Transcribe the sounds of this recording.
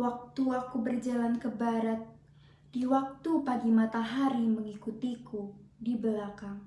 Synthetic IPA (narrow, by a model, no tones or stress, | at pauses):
wak̚t̪uakubərd͡ʒalankəbaɾat̪̚ | d̥iwak̚t̪upaɡimat̪aɦaɾiməŋikut̪ikudibəlakaŋ